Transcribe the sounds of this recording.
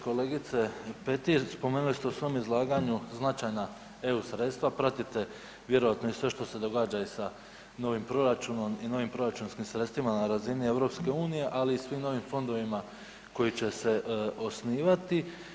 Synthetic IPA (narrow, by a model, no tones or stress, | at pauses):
ko̞le̞ːɡit̪se̞pet̪ispo̞me̞ːnulist̪eusʋo̞mizlˠaːɡaɲuznat͡ʃajna | e̞usɾe̞t̪st̪ʋapɾat̪it̪e̞ | ʋje̞ɾo̞ʋat̪no̞isʋe̞ʃt̪o̞se̞d̪o̞ɡaːd͡ʒaisa | no̞ʋimpɾo̞ɾat͡ʃuno̞mino̞ʋimpɾo̞ɾat͡ʃunskimsɾet̪st̪ʋimanaɾazinie̞ʋɾo̞pske̞uːnije̞ʔaliːsʋimno̞ʋimfo̞nd̪o̞ʋima | ko̞jit͡ɕe̞se̞ʔo̞sniːʋat̪i